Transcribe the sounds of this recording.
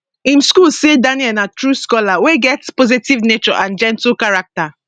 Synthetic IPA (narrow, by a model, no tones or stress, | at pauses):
ĩmskulsedaniɛnatɹuskɔlaweɡɛtspozitivnet͡ʃɔ̰ʔãnd͡ʒɛ̃ntikaɹak̚ta